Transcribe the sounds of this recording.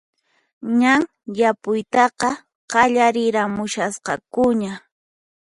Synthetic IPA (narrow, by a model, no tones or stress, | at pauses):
ɲaŋ | japʊjt̪ɑqɑ | qɑʎaɾɪɾamʊʃasqɑ̰kʊɲa